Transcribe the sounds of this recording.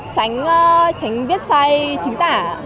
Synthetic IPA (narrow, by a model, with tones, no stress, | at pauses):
t͡ɕa˨˦jŋ̟ː˧t͡ɕa˨˦jŋ̟vi˦˥ət̚saː˧jt͡ɕï˨˦ŋt̪aː˧˩